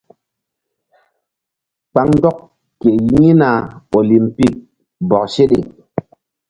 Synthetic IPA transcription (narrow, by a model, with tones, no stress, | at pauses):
k͡pa˦ŋ˦dɔ˦k | ke˨ji˦na˨o˨li˨mpi˦˨k̚ | bɔ˨k̚se˦ɗḛ˨